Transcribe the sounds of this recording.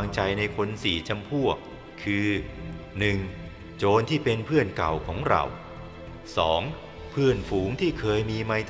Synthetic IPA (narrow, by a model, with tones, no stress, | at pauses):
ŋt͡ɕa˧jna˧jkʰo˧nsiː˩˦t͡ɕʰa˧mpʰu˥˩ək̚ʰː | ɯː˧ | nɯ˨˩ŋ | t͡ɕoː˧nt̪ʰiː˥˩pe˧npʰɯ˥˩ənka̰˨˩wkʰɔː˩˦ŋɾa̰˧˩w | sɔ̰ː˩˦ŋ | pʰɯ˥˩ənfuː˩˦ŋt̪ʰiː˥˩kʰɤː˧jmiː˧ma˧jt̪